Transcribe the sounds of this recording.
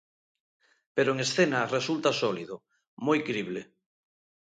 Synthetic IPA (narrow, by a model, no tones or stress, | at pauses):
peɾoeŋesθenaresult̪asɔliðo | mojkɾiβle